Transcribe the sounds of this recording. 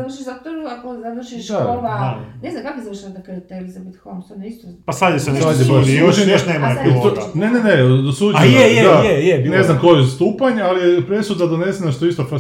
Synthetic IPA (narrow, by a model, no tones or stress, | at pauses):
zaʋrʃiʃzot̪oɾuakozaʋr̩ʃiʃaoʋaneznamkakozaʋɾrʃnat̪akit̪eelizabit̪xomsonaist̪opasad̪isenesadesbaʃuʒinoʃneːmaonenenesud͡ʑjejeajejebinznamkojezst̪uːpaɲealijepɾesud̪ad̪one̞seneʃt̪oist̪of